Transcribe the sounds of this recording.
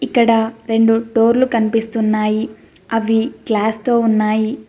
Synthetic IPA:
ikːɐɽɐɾe̞ɳɖuʈo̞ːɾlukɐnipist̪unːaːji | ɐʋiklaːst̪o̞ːunːaːji

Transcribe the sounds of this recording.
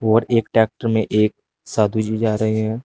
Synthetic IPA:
ɔːɾeːkʈɛːk̚ʈəɾmẽʔeːk̚ | saːd̪ʱud͡ʒid͡ʒaːɾəɦeɦɛ̃ː

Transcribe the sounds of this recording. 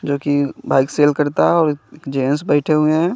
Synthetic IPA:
d͡ʒoːkibaːɪkseːlkɐɾt̪aɦɛɔːɾkd͡ʒeːns̬bɛːɪʈʰeɦʊeɦɛ̃

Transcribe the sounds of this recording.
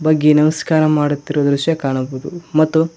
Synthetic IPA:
bɐɡːenɐmɐskaːɾɐmaːɽut̪ːiɾod̪ɾuʃjɐkaːɳɐbud̪umɐt̪ːu

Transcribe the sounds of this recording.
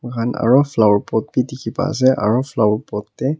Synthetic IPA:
ɡʱana̰ɹɔfʰlawɹpɔt̚bitikʰipa̰sɛʔa̰ɹɔfʰlawɹpɔtːɛ

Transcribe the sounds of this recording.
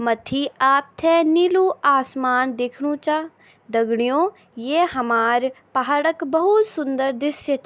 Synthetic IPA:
mɐt̪ʰiaːp̚t̪ʰɛniluaːsmaːnd̪eːkʰɽũt͡ʃaː | d̪ɐɡɽ̃ijõː | jeːɦɐmaːɾpaɦaːɽəkbɐɦʊt̪sʊ̃nd̪əɾd̪ɪsjət͡ʃ

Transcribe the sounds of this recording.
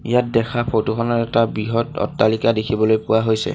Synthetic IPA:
ijat̚dɛkʰapʰotukʰɔnɔtɛtabɹiɦɔtɔ̰tːalikadekʰibɔlojpʊwaɦojsɛ̰

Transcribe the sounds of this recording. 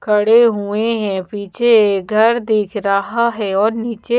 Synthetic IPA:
kʰɐɽeɦueɦɛ̃piːt͡ʃʰeɡʱɐɾd̪eːkʰɾəɦaɦɛɔːɾniːt͡ʃe

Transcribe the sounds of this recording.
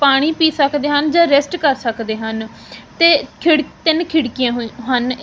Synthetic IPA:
paːɽ̃iːpiːsəkd̪eːɦənd͡ʒãːɾɛsʈkəɾsəkd̪eːɦən | t̪eːkʰɪɽt̪ɪnkʰɪɽkɪjãːɦɦən

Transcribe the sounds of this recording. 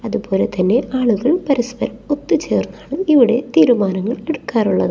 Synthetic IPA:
ɐðubo̞ːle̞t̪ɐnːe̞ʔaːɭuɣɐɭpɐɾɐspɐɾɐmo̞t̪ːɨt͡ɕe̞ːrnːaːɳɨiʋiɽe̞t̪iːɾumaːnɐŋːɐɭe̞ɽukːaːruɭːɐðɨ

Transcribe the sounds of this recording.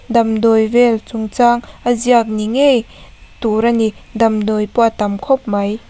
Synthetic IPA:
d̪ɐmd̪ɔjvɛlt͡sʊŋt͡saŋʔəziak̚niŋej | t̪uɾanid̪ɐmd̪ɔjpwat̪ɐmkʰɔp̚mɐj

